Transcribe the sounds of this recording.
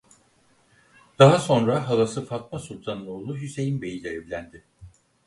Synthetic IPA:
d̪̥aɦaso̞nɾaɦalˠasɯfat̪̚masulʲt̪ʰanɯnˠoːlˠuɦyse̞jimbe̞jilʲɛevlʲænd̪ɪ

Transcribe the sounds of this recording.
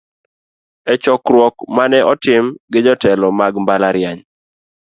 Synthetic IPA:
ɛt͡ʃɔkɾwɔkmanɛʔɔtɪmɡɪd͡ʒɔtɛlɔmaɡmbalaɾɪaɲ

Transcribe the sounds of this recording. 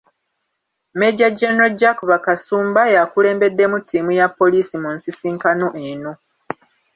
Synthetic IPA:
meɟaɟeno̞ɟːakuβakasuːmbajakule̞ːmbe̞dːe̞mutʰːiːmujapːo̞liːsimunsisiːŋkanoʔeno̞

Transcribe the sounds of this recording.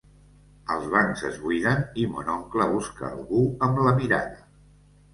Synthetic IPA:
əlˠzβaŋzə̰zβujðənimo̰nɔŋkləβuskə̰ːlˠɣuəmləmiɾa̰ðə

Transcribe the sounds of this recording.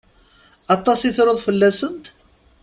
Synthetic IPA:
ɑt̪ˤːɑsiθɾəðˤfəlːæsənt̪

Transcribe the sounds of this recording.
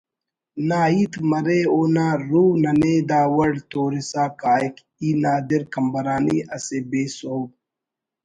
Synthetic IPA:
naːiːt̪mɐɾeːoːnaːɾuːnɐneːd̪aːwɐɽt̪oːɾisaːkaːjk | iːnaːd̪iɾkɐmbɐɾaːniːʔɐsebeːsoː

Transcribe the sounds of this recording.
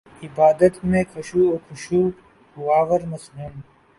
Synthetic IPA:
ɪbaːd̪ət̪mẽːkʰɐʃuːoːkʰʊʃuː | waːʋəɾmɐsɦum

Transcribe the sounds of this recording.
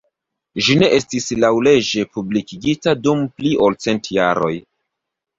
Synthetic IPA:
ʒine̞ʔe̞stislawle̞d͡ʒe̞publikiɡitadumpliʔo̞lt͡se̞ntja̰ɾo̞̰j

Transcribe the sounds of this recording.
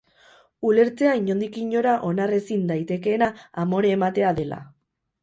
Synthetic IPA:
ule̞ɾt͡se̞aiɲo̞nd̪ikiɲo̞ɾaʔo̞nare̞sind̪ajt̪e̞ke̞ːnaamo̞ɾeːmat̪e̞aðe̞la̰

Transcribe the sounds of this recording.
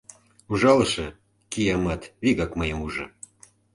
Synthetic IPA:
uʒɑləʃɤ | kijɑmɑt̪βiɣɑkməjəmuʒɤ̰̆

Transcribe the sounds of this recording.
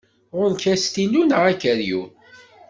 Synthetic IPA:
ʁʊɾnkæst̪inunʁækəɾjṵ

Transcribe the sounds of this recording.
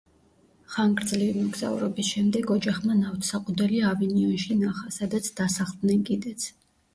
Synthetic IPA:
χaŋɡɾd̪zlivimɔɡza̰ṵɾɔbisʃɛmd̪ɛɡɔd͡ʒaχmanaft̪ʰsaqʼud̪ɛliaviniɔnʃinaχasad̪at̪sʰd̪̥asaʁlˠd̪nɛnkʼid̪ɛt̪sʰ

